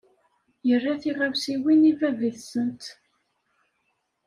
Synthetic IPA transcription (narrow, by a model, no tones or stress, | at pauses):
jərːæθiʁavsiwinivæviθsənt̪